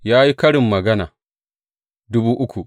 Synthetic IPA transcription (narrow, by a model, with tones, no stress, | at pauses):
jaː˦ji˦kɐ˦ɽɪ˨mːɐ˨ɡɐ˦na̰˨ | dʊ˦buː˦ʔʊ˦kʰʷu˨